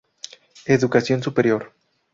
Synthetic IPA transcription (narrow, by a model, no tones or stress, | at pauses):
eðukasjo̞nsupeɾjoɾ